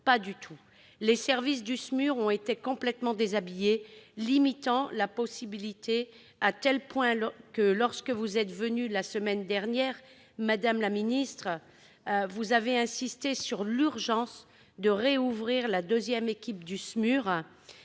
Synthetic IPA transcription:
pad̪yt̪ʰu | lesɛʁvis̬d̪ysmyʁɔ̃et̪ekɔ̃plɛt̪mɑ̃d̪ezabijelimit̪ɑ̃lapɔsibilit̪ʰe | at̪ɛlpwɛ̃kəlɔʁskəvuzɛt̪vənylasəmɛnd̪ɛʁnjɛʁ | mad̪amlaminist̪χ | vuzaveɛ̃sist̪esyʁlyʁʒɑ̃s | d̪əʁeuvʁiʁlad̪øzjɛmekʲip̚d̪ysmyʁ

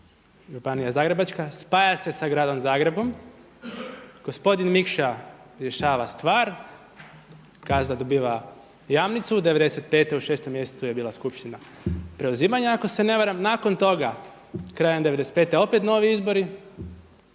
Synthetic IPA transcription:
ʒupanijazaːɡɾe̞bat͡ʃkaspaːjase̞saɡɾaːd̪o̞mzaːɡɾe̞bo̞m | ɡ̥o̞spo̞d̪inmikʃaɾje̞ʃaːʋast̪ʋaːɾ | kaznad̪obiːʋa | jamnit̪sud̪eʋe̞d̪e̞se̞t̪̚pe̞ːt̪euʃe̞ːst̪o̞mje̞set̪suje̞biːlˠaskupʃt̪ina | pɾe̞uziːmaɲaako̞se̞ne̞ʋaɾamnaːko̞nt̪o̞ɡa | kɾaːjend̪e̞ʋed̪eset̪pe̞t̪eo̞pe̞t̪no̞ːʋiizbo̞ɾi

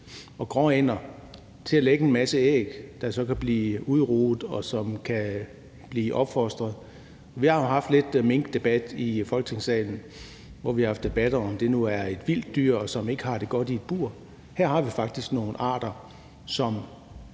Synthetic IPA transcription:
ɒ̽ɡ̥ʁɒ̰en̰ɐ | t͡sʰe̝æleɡ̥əe̝nmæsəḛːɡ̥d̥ɑ̈sɒ̽kʰæb̥liːuð̞ˠʁṵːð̩ˠɒ̽sɒ̽mkʰæ | b̥liːʔɒ̽b̥fɒsd̥ʁɐð̞̩ˠ | ɒ̽ʋihɑ̈jo̝ɦɑ̈fd̥le̝d̥me̝ŋɡ̥d̥e̝b̥æd̥ifɒ̽lɡ̥ə̥t͡sʰe̝ŋsɛ̰ːln̩ | ʋɒʋihɑhɑfd̥e̝b̥æd̥ɐɒ̽md̥e̝nuæɐe̝d̥ʋil̰d̥ːyɐ̰ɒ̽sɒ̽me̝ɡ̥əhɑ̈d̥e̝ɡ̥ɒ̽d̥ie̝d̥̚b̥uɐ̰ | hæɐ̰ɦɑ̈ʋifɑ̈ɡ̥̚d̥isɡ̥no̝ːn̩ɑ̰̈ːd̥ɐ | sɒ̽m

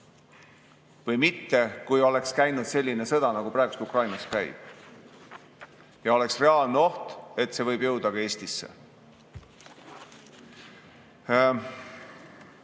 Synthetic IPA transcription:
vɤjmit̪ːe̞kujo̞le̞kskæjnud̪̥se̞lʲːine̞sɤ̞d̪̥ɑnɑɡ̥upɾɑæeɡu̥st̪ukrɑjnɑs̚kæjb̥ | jɑo̞le̞ksre̞ɑːlneo̞ht̪e̞t̪ːˑse̞vɤjbjɤwd̪ɑkɑe̞ːsʲt̪isːḛ

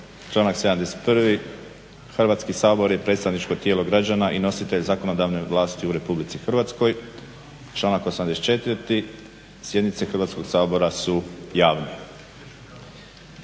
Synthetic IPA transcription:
t͡ʃlˠaːnakse̞d̪amd̪ese̥t̪pr̩ʋi | xrʋaːt̪skisaːbo̞ɾjepɾet̪st̪aʋnit͡ʃko̞t̪jeːlo̞ɡɾad͡ʒanaʔino̞sit̪e̞ʎzako̞no̞d̪aʋne̞ʋlˠaːst̪iuɾe̞publit̪sixr̩ʋat̪sko̞j | t͡ʃlˠaːnakosamd̪eset̪t͡ʃe̞t̪ʋəɾt̪i | sje̞d̪nit̪se̞xr̩ʋaːt̪sko̞ɡsaːbo̞ɾasujaːʋne

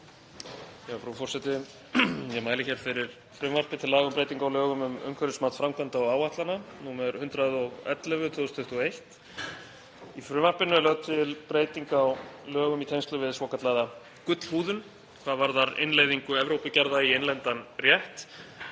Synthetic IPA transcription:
jɛfɾufɔrsɛt̪ɪ | jɛmaːjlɪçɛɾ̥fɪɾɪɾ̥ | fɾʏːmar̥pɪt̪ʰɪlaːɣʏmpɾejt̪iŋkawlœːɣʏmʏmœ̰ɥmkʰvœɾʏsmaːt̪fɾamkʰvant̪aɔɣaːwaht̪lananumɛɾhʏnt̪ɾaðɔɣɛ̰t̪lɛvʏt̪ʰvɔʏst̪ʰʏht̪ʏɔejht̪ | ifɾʏːmar̥pɪnːʏlœɣt̪ʰɪlpɾeːjt̪iŋkawlœːɣʏmit̪ʰejnst̪lʏvɪðsvɔːkat̪laða | kʏt̪l̥huːðʏn | kʰvaðvaɾðaɾɪ̰nleːjðiŋkʏɛvɾowpɪcaɾðaienlɛnt̪anrjɛht̪

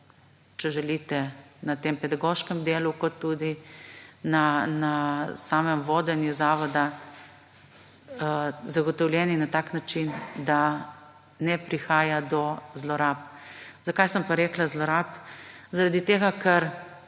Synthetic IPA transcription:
t͡ʃɛʒɛlit̪ɛnat̪empɛd̪aɡoʃkɛmd̪eːlukɔt̪ːud̪i | nanasaːmɛmʋoːd̪ɛnjuzaːʋɔd̪a | zaɡɔt̪ɔwlʲjɛninat̪aːknat͡ʃind̪a | nɛpɾixaːjad̪ɔzlɔɾaːpzakajsəmpaɾɛːklazlɔɾaːpzaɾad̪it̪eːɡakʰɐɾ

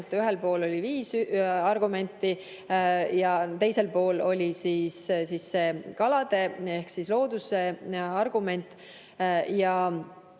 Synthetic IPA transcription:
t̪ːˑyɦelpo̞ːlolʲiviːsɑrɡume̞nʲt̪ːˑi | jɑt̪e̞jse̞lpo̞ːlo̞lʲisiːssisːe̞ːkɑlɑd̪̥e̞e̞hksislo̞ːd̪̥use̞ɑrɡ̥ume̞nʲt̪ˑ | jɑ

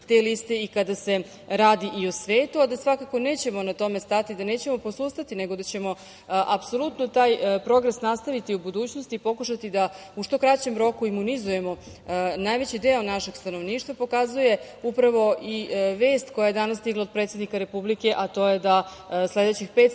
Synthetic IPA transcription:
t̪elist̪e̞ikad̪ase̞ | ɾaːd̪iʔiosʋeːt̪uad̪asʋakako̞ne̞ːt͡ɕe̞mo̞nat̪o̞mest̪at̪id̪ane̞ːt͡ɕe̞mo̞po̞suːst̪at̪ine̞ɡod̪at͡ɕe̞mo̞ | ʔapso̞lˠut̪not̪aːjpɾo̞ɡɾesnast̪aʋit̪iubud̪uːt͡ɕnost̪iːpo̞kuʃat̪id̪a | uʃt̪o̞kɾat͡ɕe̞mɾo̞kuimunizuje̞mo̞ | najʋe̞t͡ɕid̪eonaʃe̞ɡ̥st̪ano̞ʋniːʃt̪ʋapo̞kazuje̞ | upɾaʋo̞ʔiʋe̞ːst̪ko̞jaje̞d̪anasːt̪iɡlˠaod̪̚pɾet̪se̞d̪nikaɾe̞publike̞ʔat̪o̞je̞d̪a | sle̞d̪et͡ɕixpe̞ːt̪

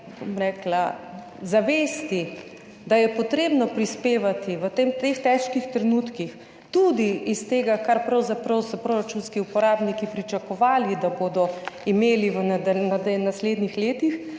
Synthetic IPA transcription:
bo̰mɾɛːkla | zaʋeːst̪i | d̪ajɛpɔt̪ɾeːbnɔpɾispeːʋat̪iʋət̪emt̪ext̪ɛʃkixt̪ɾɛnut̪kix | t̪ud̪iːst̪eːɡakaɾpɾɐwzapɾɐwsɔpɾoɾat͡ʃunskiupɔɾaːbnikipɾit͡ʃakɔʋaːlid̪aboːd̪ɔimeːliʋənd̪nad̪nasleːd̪nixleːt̪ix

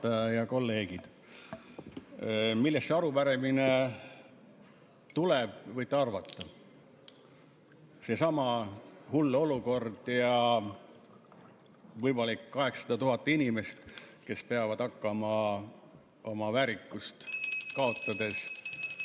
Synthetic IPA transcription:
ɑjɑjɑko̞lːe̞ːɡ̥id̪̥ | milːestːeɑɾupæɾemine | t̪uleb̥vɤjt̪ːˑeɑrvɑt̪ːɑ | se̞sɑmɑhulːeo̞luko̞rd̪̥jɑ | vɤjmɑlikːkɑɦe̞ksɑ̥d̪ɑt̪uɦɑt̪ːˑinʲime̞st̪ke̞speɑvɑd̪ɑkːɑmɑ | o̞mɑvæɾikːust̪kɑo̞t̪ːˑɑd̪̥e̞s

